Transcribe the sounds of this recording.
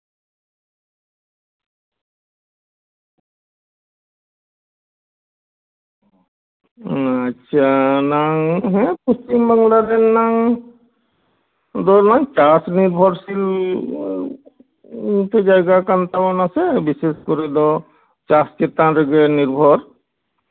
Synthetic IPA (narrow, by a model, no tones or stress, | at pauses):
aʃʰanaŋɦɛ̃pust͡ʃimbaŋlad̪ɛnːaŋ | d̪ɔnaŋt͡ʃasniɾbʱɔɾsil | t̪ed͡ʒajɡakant̪amɔnasɛbiseskɔɾid̪ɔ | t͡ʃast͡ʃet̪aɾeɡɛniɾbʱɔɾ